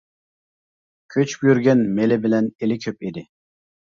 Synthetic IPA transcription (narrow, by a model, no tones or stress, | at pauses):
kʲʰøt͡ʃʰbjyɾɡʲɛnmelɪbɪlɛnelɪkʲʰøpid̪ɪ